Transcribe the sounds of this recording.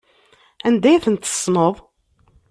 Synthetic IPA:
ænd̪æjæθənt̪ə̥sˤːnəðˤ

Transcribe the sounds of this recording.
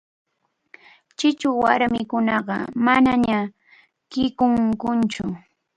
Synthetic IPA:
t͡ʃɪt͡ʃʊwa̰ɾmɪkʊnɑɢɑ̰manaɲa | kɪkʊŋkʊnt͡ʃʊ

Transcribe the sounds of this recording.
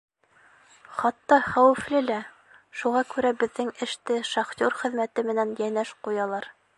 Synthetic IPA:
χɑt̪ːɑχæwɘ̆flɘlæ | ʃuʁɑkʉɾæbɘ̆ðːɘŋɘ̆ʃt̪ɘʃɑχt̪ʲoɾχɘ̆ðmæt̪ɘmɘ̆nænjænæʃqujɑlˠɑɾ

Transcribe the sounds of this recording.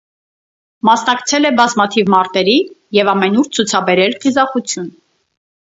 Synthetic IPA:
mɑsnɑkt͡sʰɛlɛbɑzmɑt̪ʰivmɑɾt̪ɛɾijɛvɑmɛnuɾt͡sʰut͡sʰɑbɛɾɛlqizɑχut͡sʰjun

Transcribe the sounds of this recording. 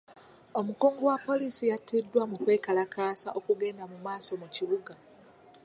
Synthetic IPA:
o̞mukoːŋɡowapːo̞lisijatidːwamukwe̞ːkalakaːsaʔokuɡe̞ːndamumaːso̞muciβuɡa

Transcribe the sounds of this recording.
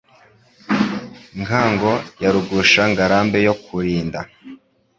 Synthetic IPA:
ŋkaːŋɡo̞jaɾuɡuʃaŋɡaɾaːmbe̞jo̞kuɾiːnda

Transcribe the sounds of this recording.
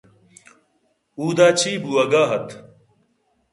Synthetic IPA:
uːd̪aːt͡ɕʰiːbuɐɡaːɦɐt̪

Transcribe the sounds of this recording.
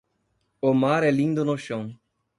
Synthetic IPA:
omaɾɛlĩnd̪ʊnʊʃɐ̃w̃

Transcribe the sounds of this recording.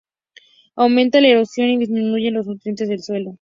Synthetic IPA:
awmẽ̞nt̪alae̞ɾo̞sjo̞niðizmĩnuʝe̞nlo̞znut̪ɾje̞nt̪e̞zðelswe̞lo̞

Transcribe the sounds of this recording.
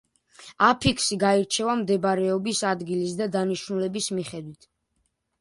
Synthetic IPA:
apʰikʰsiɡaiɾt͡ʃʰɛvamd̪ɛbɾɛɔbisad̪ɡilis̬d̪ad̪aniʃnulɛbismiχɛd̪wit̪ʰ

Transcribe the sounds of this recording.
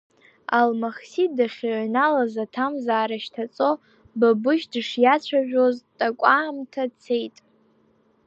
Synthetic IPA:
a̰lmaχsidaχʲʕnalazatʰamzaːɾaʃtʰat͡sʼo̞ | babʊʃdɨʂjat͡ɕʷʰaʒᶣo̞ztʼakʷʼaːmtʰat͡sʰe̞jtʼ

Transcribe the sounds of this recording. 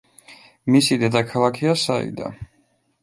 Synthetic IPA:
misid̪ɛd̪akʰalˠakʰiasaḭd̪a̰

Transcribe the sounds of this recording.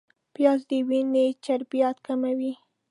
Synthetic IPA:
pjɑzd̪əwinet͡ʃaɾbijat̪kamawi

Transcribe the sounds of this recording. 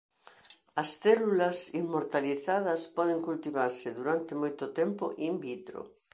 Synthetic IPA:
ɐsθɛlulɐsimːoɾt̪aliθað̞ɐspɔðeŋkult̪iβaɾsɪðuɾant̪emojt̪ʊt̪ɛmpo̰ʔimbit̪ɾo̰

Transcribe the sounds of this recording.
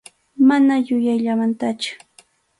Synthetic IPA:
manajʊjajʎamant̪at͡ʃʊ̥

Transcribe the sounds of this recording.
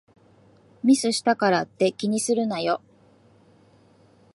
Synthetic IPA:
mʲisɨɕi̥t̪akaɾat̪ːe̞kʲiɲ̟isɨɾɯ̟najo

